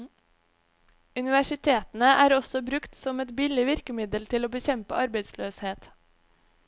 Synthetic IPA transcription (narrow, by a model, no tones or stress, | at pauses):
ʉnɪʋæʃɪt̪ʰeːt̪n̩əʔæːɾɔsɔbɾʉkt̪sɔmɛt̪bɪlɪʋɪɾkəmɪd̪əlt̪ʰɪloːbəçɛmpəʔɑɾbeɪd̪sløːsheːt̪